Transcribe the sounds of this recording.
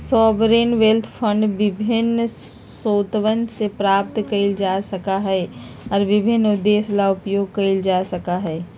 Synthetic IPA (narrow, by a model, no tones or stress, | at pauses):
sɔːbɾeːnʋelt̪ʰpʰə̃ɳɖʋɪbʱɪn | soːt̪ʋənsepɾaːp̚t̪kəɪld͡ʒaːsɐkaɦɛ | ɔːɾʋɪbʱɪnːʊd̪ːeːslaʊpjoːɡ̚kəɪld͡ʒaːsɐkaɦɛː